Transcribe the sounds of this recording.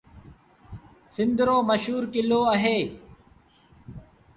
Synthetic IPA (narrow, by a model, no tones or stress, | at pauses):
sɪnd̪ɾoːməʃɦuːɾkɪloːəɦeː